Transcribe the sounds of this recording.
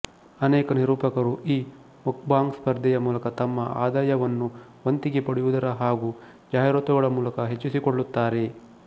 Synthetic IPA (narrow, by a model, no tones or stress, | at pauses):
ɐnɛːkɐniɾuːpɐkɐɾuʔiː | muk̚baːŋɡspɐɾd̪ʱijɐmuːlɐkɐt̪ɐmːɐʔa̰ːd̪aːjɐʋɐnːuʋɐnt̪iɡe̞pɐɽiʋud̪ɐɾɐɦaːɡu | d͡ʒaːɦjɾot̪uɡɐɭɐmuːlɐkɐɦet͡ʃːusikoɭːut̪ːaːɾe̞